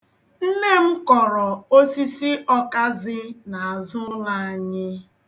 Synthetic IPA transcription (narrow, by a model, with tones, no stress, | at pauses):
n̩˦ne˦m̩˦kɔ˨ɾɔ˨o˦si˦si˦ʔɔ˦ka˦zɪ˦na˨a˨zʊ˦la˨a˨ɲɪ˦